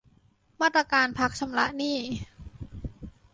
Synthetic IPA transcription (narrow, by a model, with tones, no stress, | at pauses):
maː˥˩t̪̚ɾa˧kaː˧npʰa˦˥k̚t͡ɕʰa˧mla̰˦˥ʔniː˥˩